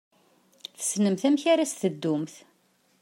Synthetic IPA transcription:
θə̥snəmθæmçaɾasθəd̪ːʊmθ

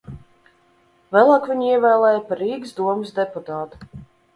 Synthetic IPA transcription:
væːlˠɑːkvʲiɲiɛvæːlˠɛːjpaɾiːɡsd̪uɔmɨsd̪ɛput̪aːt̪u̥

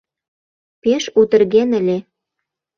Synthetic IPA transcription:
peʃut̪ə̆rɣenə̆lʲe

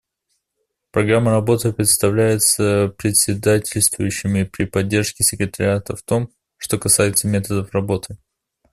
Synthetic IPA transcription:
pɾɐɡɾamːəɾɐbo̞t̪ɨpɾʲɪt̪st̪ɐvlʲæjɪt̪səpɾʲɪtʲsʲɪd̪atʲɪlʲst̪vʊjʉɕːɪmʲɪpɾʲɪpɐdʲːe̞rʂkʲɪsʲɪkɾʲɪt̪əɾʲɪat̪əft̪o̞m | ʂt̪o̞kɐsajɪt̪səmʲe̞t̪əd̪əfrɐbo̞t̪ʰɨ

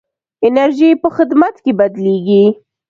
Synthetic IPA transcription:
ɪnaɾʒipəxɪd̪mat̪kebad̪leɡi

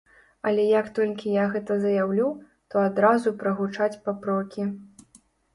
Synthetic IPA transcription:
ɐlʲɛjɐkt̪ɔlʲkʲijaɣɛt̪ɐzɐjawlʲuw | t̪ɔad̪ɾazupɾɐɣut͡ʂat͡sʲpɐpɾɔkʲi

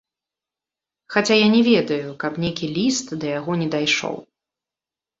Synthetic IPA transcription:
xat͡sʲajanʲɛvʲɛd̪ɐjukɐpnʲejkʲilʲist̪d̪ɐjaɣɔnʲɛd̪ajʂɔ̰w

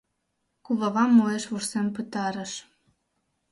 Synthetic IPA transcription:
kuβɑβɑmːoeʃβursempɨt̪ɑɾə̆ʃ

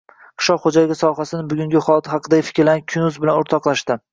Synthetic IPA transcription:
qʰɨ̥ʃɒqχod͡ʒajɪɡʲɪsɒɦasɪnɪbʊɡʲʊŋɡʲɪχɒlˠt̪ʰhɑqʰɨd̪aɪfɪ̥kʲɾlanɪkʲʰʊnʊzbɪlanʊɾt̪ʰɒqlaʃt̪ɪ

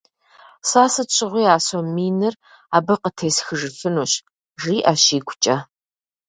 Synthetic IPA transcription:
saːsɨɕʷʼɪʁʷiːaːsomiːnɨr | aːbɨqətʰeːsxɨʐɨfɨnuːɕ | ʐiːʔɐɕiːkʷʊt͡ʃʼɐ

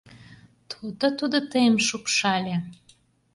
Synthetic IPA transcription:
t̪ʰud̪ot̪ud̪ŏt̪əjmʃupʃɑlʲe

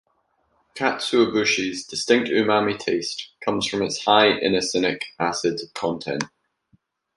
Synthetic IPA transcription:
kʰatsʉəbʉʃizdɪstɪ̃ŋk̚tʉːmamitʰeɪstkʰʌ̃mz̥fɹə̃mɪtshaɪʔɪ̰nəsɪnɪkasɪdkʰɒ̃ntʰɛ̰̃nʔ

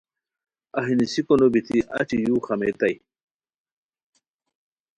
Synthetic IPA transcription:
ɐɦinisikonobit̪ʰiʔɐ̰t͡ɕijuːxɐmet̪ɐj

